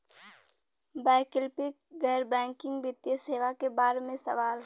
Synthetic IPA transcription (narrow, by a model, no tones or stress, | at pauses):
baːkɪlpɪkɡɛɾbɛ̃ːŋkɪ̃ŋɡbɪt̪jəseːʋakebaːɾmẽsɐʋaːl